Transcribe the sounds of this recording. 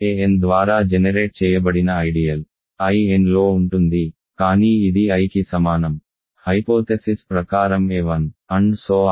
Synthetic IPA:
eend̪ʋaːɾaːd͡ʒenɐɾe̞ːʈ̚t͡ʃɛːjɐbɐɽinɐːjɖijɐl | ɐjenlo̞ːuɳʈund̪i | kaːniːd̪iɐjkisɐmaːnɐm | hɐjpoːt̪esispɾɐkaːɾɐmeːʋɐnɐɳɖsoː

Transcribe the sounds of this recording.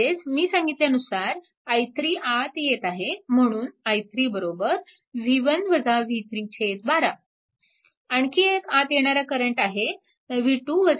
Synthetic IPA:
ed͡zmiːsãŋɡit̪ljaənusaɾ | əjt̪ɾiːʔat̪jet̪aɦem̤əɽ̃uːnəjt̪ɾiːbəɾobəɾ | ʋʱiʋənʋəd͡zaʋʱit̪ɾit͡ɕʰet̪̚baɾa | aɳkiːekat̪jeɽ̃aɾakəɾəɳʈaɦe | ʋ̤iʈuʋəd͡z

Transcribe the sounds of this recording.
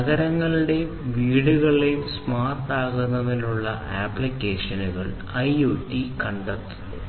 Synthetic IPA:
ɐɣɐɾɐŋːɐɭɨɽe̞ | ʋiːɽuɣɐɭejumsmaːrtaːɣunːɐðinuɭːɐ̰ʔaːplikʲːeːʂɐnuɣɐɭ | ɐjuːtːikɐɳɖɐt̪ːuu

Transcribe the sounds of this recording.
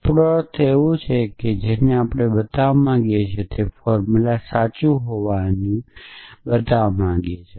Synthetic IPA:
pɽoɾt̪ʰeʋũt͡ʃʰeked͡ʒeneapɽ̃ebət̪aʋmãɡjet͡ʃʰet̪ʰefɔɾmulasat͡ʃuɦoʋanĩbət̪aʋmãɡjet͡ʃʰe

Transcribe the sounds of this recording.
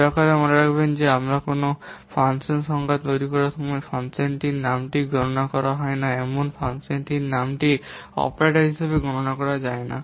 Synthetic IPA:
akaɾemɔneɾakʰbend͡ʒeamɾakonopʰansensɔŋɡat̪t̪ojɾikɔɾasɔmɔjpʰansenʈinamʈiɡɾɔɾɔnakɔɾaɦɔjnaemonpʰansenʈinamʈiɔ̰pɾaʈaɾɦisabeɡɔɾɔnakɔɾad͡ʒajna̰

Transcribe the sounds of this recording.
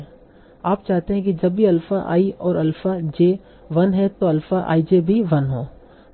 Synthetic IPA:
aːpt͡ʃaːɦt̪eɦɛ̃k̬id͡ʒɐbːiɐlfaʔa̰ːiʔɔːɾɐlfad͡ʒeː | ʋɐnɦɛ̃t̪oɐlfaʔa̰ːid͡ʒebʱiʋɐnɦoː

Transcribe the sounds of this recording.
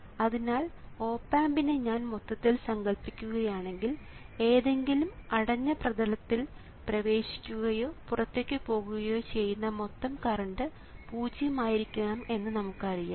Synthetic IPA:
ɐðinaːlo̞ːpːaːmbineɲaːnmot̪ːɐt̪ːilsɐŋɡɐɭpːikʲːuɣɐjaːɳe̞ŋɡile̞ːðe̞ŋɡilumɐɽɐɲːɐprɐdɐlɐt̪ːil | prɐʋe̞ːɕi̥kʲːuɣɐjo̞ːpurɐt̪ːe̞kʲːɨpo̞ːɣuɣɐjo̞ːt͡ɕe̞jːunːɐmo̞t̪ːɐmkɐrɐɳɖɨ | puːd͡ʑijɐmaːjiɾikʲːuɣaːme̞nːɨnɐmukːɨɐrija̰ː

